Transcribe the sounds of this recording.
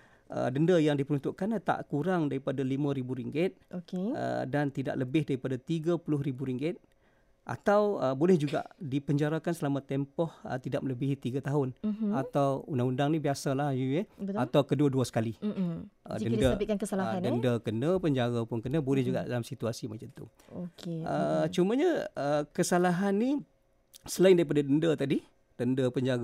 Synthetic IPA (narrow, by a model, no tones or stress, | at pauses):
ʔə̰dəndəjaŋdipəɾunt̪ʊʔkant̪a̰ʔkuɾaŋdaɾipadalimãɾibuɾiŋɡɪt̪̚okeə̰dant̪ida̰ʔləbɪhdaɾipadat̪iɡapulʊhɾibuɾiŋɡɪt̪̚ | ʔa̰t̪awəbolɛhd͡ʒuɡa̰ʔdipəɲd͡ʒaɾakansəlamat̪ɛmpɔhə̰t̪idaʔmələbiɦit̪iɡat̪aɦʊnat̪awundaŋundaŋnibiasalahjuɛat̪awkəduaduasə̥kali | ə̰dəndəbɪkankəsalaandəndəkənəpəɲd͡ʒaɡapʊnkənəbolɛhd͡ʒuɡa̰ʔdalamsit̪uasimat͡ʃant̪ṵ | okeʔət͡ʃuməɲəəkəsalaɦanːi | səlaɪndaɾipadadəndət̪adi | d̥əndəpəɲd͡ʒaɡa